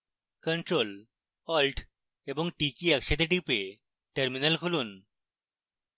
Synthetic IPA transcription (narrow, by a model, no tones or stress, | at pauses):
kəɳʈɾol | ɔlʈ | eboŋʈikiɛkʃed̪eʈ̬ipe | ʈeɾminelkʰulun